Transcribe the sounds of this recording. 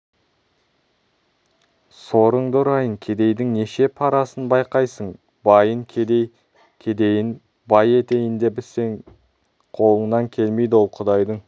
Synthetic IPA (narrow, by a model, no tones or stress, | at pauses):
so̞ɾəɴd̪ʊɾɑjəɴkʲʰe̞d̪e̞jd̪ɪŋne̞ʃe̞pʰɑɾɑsənbɑjqɑjsəɴ | bɑjəɴʲʰ | kʲʰe̞d̪ejɪn | bɑje̞t̪e̞jɪnd̪e̞bɪseŋ | qʰo̞lˠəɴnɑŋkʲʰe̞lme̞jd̪ɪwo̞lˠqʰʊd̪ɑjd̪əɴ